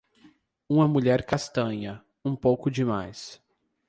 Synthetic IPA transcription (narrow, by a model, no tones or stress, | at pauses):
ũmɐmuʎɛɾkast̪ɐ̃ɲɐ | ũpowkʊd͡ʒɪmajs